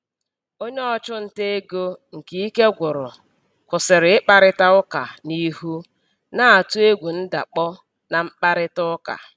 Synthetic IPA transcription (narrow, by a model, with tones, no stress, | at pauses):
o˦ɲe˦ɔ˦t͡ʃʊ˦n̩˨te˦e˦ɡo˦ŋ̩˨ki˨i˦ke˦ɡʷʊ˨ɾʊ̰˨ | kʷʊ˨sɪ˨ɾɪ˨ɪ˦k͡pa˨ɾɪ˦ta˦ʊ˦ka̰˨ni˦ɦu˦ | na˦a˨tu˦e˦ɡʷu˨n̩˦da̰˨k͡pɔ˦ | na˨ŋ͡m̩˦k͡pa˦ɾɪ˦tʊ˦ka̰˨